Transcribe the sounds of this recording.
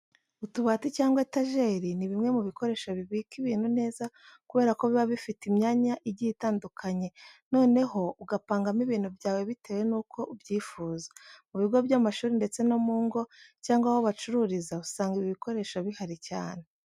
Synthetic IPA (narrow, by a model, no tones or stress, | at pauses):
utuβaːticaːŋɡwetaʒe̞ːɾiniβimŋe̞muβiko̞ɾe̞ːʃoβiβiːkiβiːn̥hune̞ːza | kuβe̞ːɾakoβiβaβifitimɲaːɲaʔiɟitaːndukʰaɲe̞no̞ːne̞ho̞uɡapaːŋɡamiβiːn̥hubɟaːwe̞βite̞ːwe̞nuːkʰo̞ubɟiːfuːzḁmuβiɡo̞bjamaʃuːɾinde̞t͡se̞no̞muːŋɡo̞caːŋɡwahoβat͡ʃuɾuːɾizausaːŋɡiβiβiko̞ɾe̞ːʃoβihaɾicaːne̞